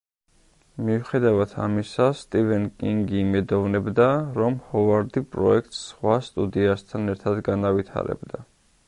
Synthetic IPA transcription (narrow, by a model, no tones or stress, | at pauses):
miuχɛd̪avat̪ʰa̰misast̪ʼivɛnkʼiŋɡiːmɛd̪ɔvnɛbd̪aɾɔmhɔvaɾd̪ipʼɾɔ̰ɛk̚ʰt̪ʼsːχwast̪ʼud̪iast̪ʰanɛɾt̪ʰad̪ɡanavit̪ʰa̰ɾɛ̰bd̪a